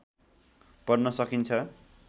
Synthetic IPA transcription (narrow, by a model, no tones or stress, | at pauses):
pʌrnʌsʌkint͡sʰʌ